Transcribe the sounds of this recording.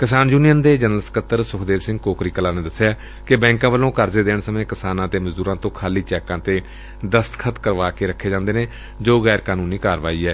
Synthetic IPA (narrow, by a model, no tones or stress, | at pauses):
kɪsaːnd͡ʒuːnijənd̪eːd͡ʒənəlsə̥kət̪ːəɾsʊkʰd̪eːɾsɪ̃ŋɡkoːkɾiːkəlaːneːd̪əsːejaː | kɪbɛ̃ːŋkãːʋəlõːkəɾzeːd̪eːɳsəmẽːkɪsaːnãːt̪eːməzd̪uːɾãːt̪õːkʰaːliːt͡ʃɛːkãːt̪eː | d̪əst̪kʰət̪kəɾʋaːkeːɾəkʰːeːd͡ʒãːnd̪eːneː | d͡ʒoːɣɛːɾkaːnuːniːkaːɾʋaːiːɛː